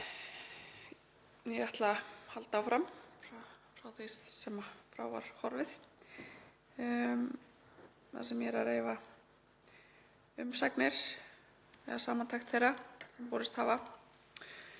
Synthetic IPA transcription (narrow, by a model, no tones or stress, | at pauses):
ɛɛht̪lahalt̪awfɾamfɾafɾawθest̪sɛmafɾa̰wva̰ɾ̥hɔɾvɪθ | θa̰sɛmjɛɾɛɾejva | ʏmsaknɪɾ̥ | ɛ̰ðasaːmant̪ʰajxt̪θejɾasɛmpɔːɾɪst̪haːva